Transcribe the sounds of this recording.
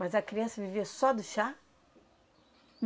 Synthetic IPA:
mɐzɐkɾiɐ̃sɐviviɐsɔd̪ʊʃa | n

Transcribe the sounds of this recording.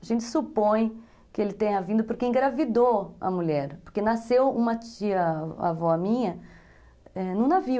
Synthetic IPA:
aʒẽnt͡ʃɪ̥supõj̃ | kɪelɪt̪ẽɲɐvĩnd̪ʊpoɾkeẽɡɾavid̪oɐ̰muʎɛɾpoɾkenasewũmɐt͡ʃiɐa̰vɔmĩɲɐ | ɛnɐ̃w̃navi

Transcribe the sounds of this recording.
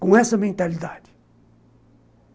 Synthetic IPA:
kõɛsɐmẽnt̪ɐlid̪ad̪i̥

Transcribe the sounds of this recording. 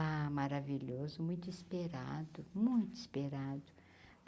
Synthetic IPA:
amaɾaviʎozʊmũj̃t̪ʊispeɾa̰d̪ʊmũj̃t̪ʊispeɾad̪ʊ

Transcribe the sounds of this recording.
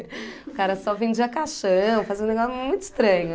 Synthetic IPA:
ʊkaɾɐsɔvẽd͡ʒiɐkaʃɐ̃fazẽneɡɔsmũj̃t̪ʊɪ̥st̪ɾɐ̃ɲʊ

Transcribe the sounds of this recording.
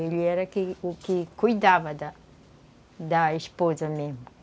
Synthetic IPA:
eʎɪɛɾɐkɪukɪkujd̪avɐd̪ɐ | d̪ɐiʃpozɐmemʊ

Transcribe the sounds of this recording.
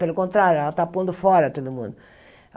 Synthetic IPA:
pelʊkõnt̪ɾaɾjʊɛlat̪apõnd̪ʊfɔɾɐt̪od̪ʊmṵ̃nd̪ʊ

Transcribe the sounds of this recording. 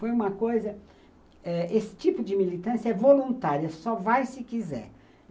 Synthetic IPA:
fojũmɐkojzɐ | ɛesɪ̥t͡ʃipʊd͡ʒɪmilit̪ɐ̃sjɐɛvolũnt̪aɾiɐsɔvajsɪkizɛ̰ɾ

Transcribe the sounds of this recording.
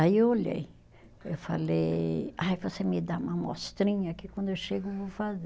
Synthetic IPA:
aiewoʎḛj | ewfa̰lejajvosemɪd̪aũmɐmo̰st̪ɾĩɲɐkɪkwɐ̃nd̪ʊewʃeɡʊvofaze

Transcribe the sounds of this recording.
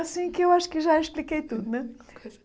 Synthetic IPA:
ɐsĩkewaʃu̥kɨʒaiʃplˠikejt̪ud̪unɛ

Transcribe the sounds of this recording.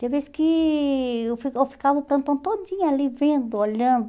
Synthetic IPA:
d̪veskɪ | ewfiewfi̥kavɐpɾɐ̃t̪ɐ̃t̪od͡ʒĩɲɐalivẽnd̪ʊoʎɐ̃nd̪ʊ

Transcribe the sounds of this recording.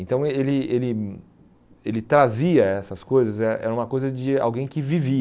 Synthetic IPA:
ẽnt̪ɐ̃w̃elɪelɪ | elɪt̪ɾaziɐɛsɐskojzɐzɛɾɐʔɛ̰ɾɐũmɐkojzɐd͡ʒɪa̰wɡẽj̃kɪvivi

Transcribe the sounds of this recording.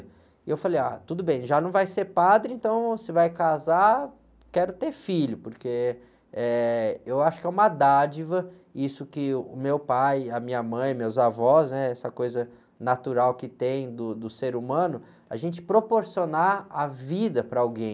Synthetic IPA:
ɪewfalejat̪ud̪ʊbẽj̃ʒanɐ̃w̃vajseɾpad̪ɾɪẽnt̪ɐ̃w̃sɪvajkaza | kɛɾʊt̪eɾfiʎʊpoɾke | ɛewaʃʊ̥kɪɛũmɐd̪ad͡ʒivɐ | isʊkɪʊmewpajɐmĩɲɐmɐ̃j̃mewzavɔsnɛɛsɐkojzɐ | nat̪uɾawkɪt̪ẽj̃d̪ʊd̪ʊseɾumɐ̃nʊ | a̰ʒẽnt͡ʃɪ̥pɾopoɾsionaavid̪ɐpɾɐawɡẽj̃

